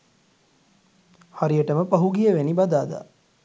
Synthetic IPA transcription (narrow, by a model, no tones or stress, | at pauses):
haɾijəʈəməpaɦuɡijəʋenibad̪aːd̪a̰